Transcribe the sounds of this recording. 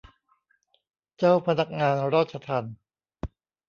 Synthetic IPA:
t͡ɕaː˥˩wpʰa˧na˦˥k̚ŋaː˧nɾaː˥˩t̪̚t͡ɕʰa˧t̪ʰa˧n

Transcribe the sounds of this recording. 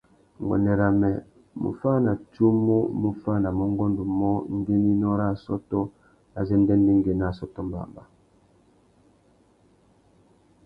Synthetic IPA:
ŋ˨ɡwɛ̰˨nɛ˨ɾa˨mɛ˨ | mṵ˨fa˦na˨tu˦mu˦mu˦fa˦na˨mo˦ŋ˦ɡɔ˦ndu˨mɔ˦ŋ˦ɡi˦ni˦nɔ˦ɾa˦˨sɔ˦tɔ˦ | a˨zɛ˦ndɛ˦ndi˦ŋɡe˨na˦˨sɔ˦tɔ˦mba̰˨mba̰˨

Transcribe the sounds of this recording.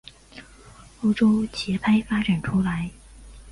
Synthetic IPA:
o˥ʊʈ͡ʂo˥ʊt͡ɕʰɛ˧˥pʰa˥ɪfa˥ʈ͡ʂa˨˩nʈ͡ʂʰu˥la˧˥ɪ

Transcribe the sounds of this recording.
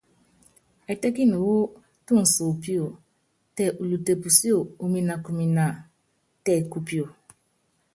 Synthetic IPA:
ɛ˨tɛ˦ki˦no˨wo˦ | tu˦˨n̩˨so˨pi˦o˨ | tɛ˨ʔu˨lu˨te˨pu˨si˦o˨u˨mi˨na˨ku˨mi˨na˨ | tɛ˦˨ku˦pi˦o˨

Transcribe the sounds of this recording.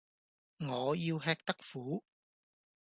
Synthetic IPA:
ŋɔː˨˧jiː˧wɦɛː˧k̚t̪ɐ˥k̚fuː˨˥

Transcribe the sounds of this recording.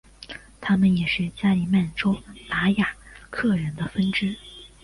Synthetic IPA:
t̪ʰa˥mə˨njɛ˨˩ʂɻ̩˥˩t͡ɕja˥li˧˥˩ma˥˩nʈ͡ʂo˥ʊt̪a˧˥ja˨˩kʰɤ˥˩ɻə˧˥nd̪ə˧fə˥nʈ͡ʂɻ̩˥

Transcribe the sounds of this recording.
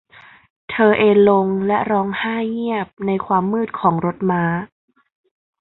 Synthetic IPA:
t̪ʰɤː˧ʔeː˧nlo˧ŋlɛ˦˥ʔɾɔː˦˧˥ŋhaː˥˩ŋi˥˩əp̚na˧jkʰwaː˧mːɯː˥˩t̪̚kʰɔː˩˦ŋɾo˦˥t̪̚maː˦˥

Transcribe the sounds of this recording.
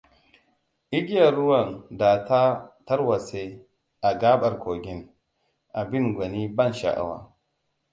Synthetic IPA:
ʔi˦ɡi˦ja˨ɾːu˦wɐ˨ndaː˨ta˦tɐ˦ɾwa˨se˦ | ʔa˨ɡaː˦bɐ˨ɾkʰʷo˨ɡʲi˦n | ʔa˨bi˦nɡʷa˨ni˦bɐ˦nʃa̰˨ʔa̰˨wa̰˦˨

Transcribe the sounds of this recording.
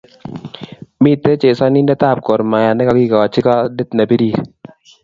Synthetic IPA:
mi˦t̪e˦t͡ʃe˨sɔ˦ni˦ndɛ˦t̪a˦˨p̚kɔ˨ɾma˨ja˨nɛ˦ka˦ɡi˦ka˨ɔ˨t͡ʃːɪ˦ka˦de˦t̪na˨bi˦di˦˨

